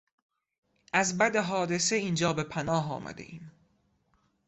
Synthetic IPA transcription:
ʔæzbæd̪eɦɒːd̪e̞seiːnd͡ʒɒːbe̞pʰænɒːɦɒ̰ːmʔæ̰d̪ḛʔiːm

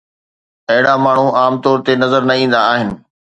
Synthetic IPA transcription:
ɐɦɪɽamaːɳ̤uʔaːmt̪ɔːɾt̪enɐzəɾnɐĩːn̆d̪aːɦɪnɪ̆

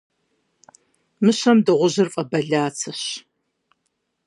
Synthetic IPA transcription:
mɨɕɐmdɨʁʷʊʑɪrfʼɐbɐɮaːt͡sʰɐɕ

